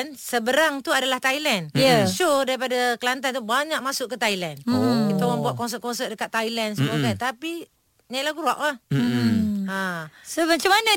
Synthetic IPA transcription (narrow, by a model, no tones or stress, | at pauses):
nsəbəɾaŋt̪uadalaht̪ailɛnəsodaɾipadakəlant̪̬ant̪ubaɲaʔ̚masʊʔkːət̪ailankit̪ŋaŋbuaʔkɔns̬ət̪̚kɔnsəʔ̚dəkat̪ːailansəmukant̪api | ɲaiʔlaɡuɾuaʔah | asəbət͡ʃamanə